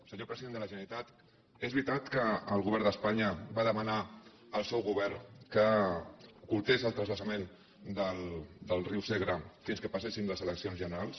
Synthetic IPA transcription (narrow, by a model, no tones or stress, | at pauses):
səɲopɾəziðend̪ələʒənəlit̪at̪ | ezβɾit̪at̪kəːlˠɣuβɛɾd̪əspaɲəβaðəməna | əlˠsɛwɣuβɛrnkə | ukulˠt̪ezəlˠt̪ɾəzləsəmen | d̪əld̪əlˠriwseɣɾəfinskəpasesinləzələksionzʒənəɾalˠs